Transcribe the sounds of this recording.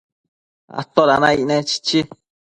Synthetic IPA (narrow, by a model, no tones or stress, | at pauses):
a̰t̪oɾanãinɛ̃t͡ʃi̥t͡ʃi